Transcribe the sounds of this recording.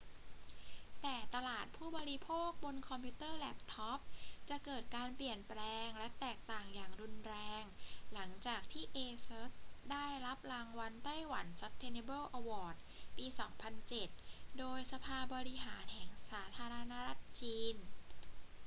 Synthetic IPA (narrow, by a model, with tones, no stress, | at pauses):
t̪ɛː˨˩t̪a˧laː˨˩t̪̚pʰuː˥˩bɔː˧ɾi˦˥pʰoː˥˩k̚bo˧nkʰɔ˧mpʰi˦˥t̪ɤː˥˩lɛ˦˥p̚t̪ʰɔ˦˥p̚t͡ɕa˨˩ʔkɤː˨˩t̪̚kaː˧npli˨˩ənplɛː˧ŋlɛ˦˥t̪ɛː˨˩k̚t̪aː˨˩ŋjaː˨˩ŋɾu˧nɾɛː˧ŋla˩˦ŋt͡ɕaː˨˩k̚t̪ʰiː˥˩ʔeː˧sɤː˦˥t̪̚daː˥˩jɾa˦˥p̚laː˧ŋwa˧nt̪a˥˩jwa˩˦nsa˦˥t̪ʰːe˧ne˧bɤː˥˩ʔa˧wɔː˨˩t̪̚piː˧sɔː˩˦ŋpʰa˧nt͡ɕe˨˩t̪̚doː˧jsa˧pʰaː˧bɔː˧ɾi˦˥ɦaː˩˦nhɛ˨˩ŋsaː˩˦t̪ʰaː˧ɾa˧na˦˥ɾa˦˥t̪̚t͡ɕiː˧n